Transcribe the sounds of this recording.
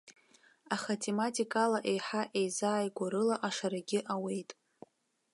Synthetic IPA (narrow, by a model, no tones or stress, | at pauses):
aχatʰe̞matʰʼikʼalaʔe̞jħaʔe̞jzaːjɡʷaɾɨlaʔaʂaɾaɡʲɪʔawe̞jtʼ